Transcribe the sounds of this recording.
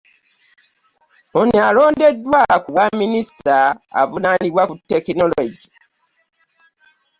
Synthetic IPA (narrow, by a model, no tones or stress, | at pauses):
onialo̞ːndedːwakuβwaminisi̥ta̰ːvunaniβwakutːekinoloɟi